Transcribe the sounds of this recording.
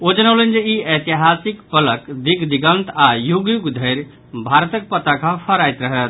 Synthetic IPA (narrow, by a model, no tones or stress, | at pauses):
od͡ʒənawlənd͡ʒeiət̪iɦasikpələkd̪iɡd̪iɡənt̪ajuɡjuɡd̪ʱəɾ | bʱaɾət̪ək̚pət̪akãpʰəɾajt̪ɾəɦət̪